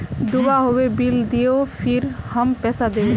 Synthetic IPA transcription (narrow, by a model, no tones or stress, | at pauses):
d̪ubaɦoebild̪ijopʰiɾhəmpɛsad̪eo